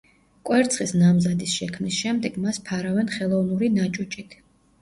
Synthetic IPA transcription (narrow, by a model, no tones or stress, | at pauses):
kʼwɛɾt̪sʰχisnamzad̪isʃɛkʰmnisʃɛmd̪ɛɡ̥maspʰaɾavɛnχɛlˠɔvnuɾinat͡ʃʼut͡ʃʼit̪ʰ